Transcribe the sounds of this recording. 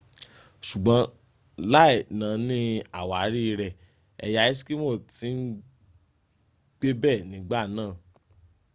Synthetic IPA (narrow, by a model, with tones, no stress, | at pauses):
ʃu˨ɡ͡bɔ̃˨˦ | la˦˨nã˨nĩ˦a˨wa˨˦ɾi˦˧˦ɾɛ˧˨ | ɛ˧ja˧i˦si̥˦ki˦mo˦˨ti˨˦n̩˦ | ɡ͡b̥e˦bɛ˦˨nĩ˨˦ɡ͡ba˦˨nãː˦˨